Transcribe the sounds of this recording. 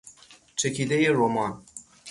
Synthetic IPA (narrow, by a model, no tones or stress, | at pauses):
t͡ʃʰɛkid̪ejeɾomɑn